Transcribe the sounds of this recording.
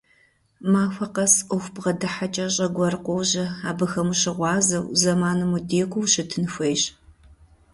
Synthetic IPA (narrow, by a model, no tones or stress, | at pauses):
maːxʷɐqɐsʊxʷbʁɐdɨħat͡ʃʼɐɕʼɐɡʷɐrqʷɔwʑɐaːbɨxɐmuɕɪʁʷɑːzɐwzɐmaːnɨmudeːkʷʰʊwɕɨtʰɨnɨxʷeːjɕ